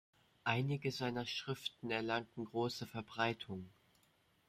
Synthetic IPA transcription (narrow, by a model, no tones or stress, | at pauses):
ʔaɪnɪɡəzaɪnɐʃʁ̥ɪftn̩ɛɐlaŋtn̩ɡʁoːsəfɛɐbʁaɪtʰʊŋ